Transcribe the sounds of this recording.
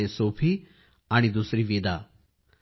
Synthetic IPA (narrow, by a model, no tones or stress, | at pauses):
esoːpʰi | aɽ̃id̪uːsɾiʋiːd̪aː